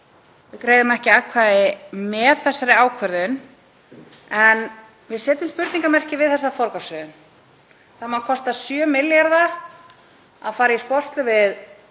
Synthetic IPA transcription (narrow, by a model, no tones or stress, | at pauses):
vɪkɾeːjðʏmɛhcɪakʰvaːðɪmɛːðθɛsːaɾɪaːwkʰvœɾðʏn | ɛn | vɪðsɛːt̪ʏmspʏɾt̪niŋkamɛr̥cɪvɪðθɛsːafɔɾkasœðʏn | θamakʰɔst̪asjœmɪljaɾða | a̰ðfaːɾaispɔst̪lʏvɪð